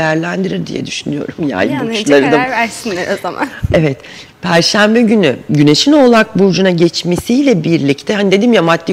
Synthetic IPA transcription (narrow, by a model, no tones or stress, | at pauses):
jæɾlʲænd̪iɾiɾd̪ḭjɛ̰d̪yʃynyjo̞̰ɾumja̰jbuʃlˠaɾɯd̪amɾæɾsinlʲeɾozama̰nevɛt̪ | pʰæɾʃæmbɛɟynyɟyne̞ʃino̞lˠak̚buɾd͡ʒunaɟɛt͡ʃmesiːlʲɛbiɾlʲict̪ʰɛɦanid̪e̞d̪iːmjamat̪lʲi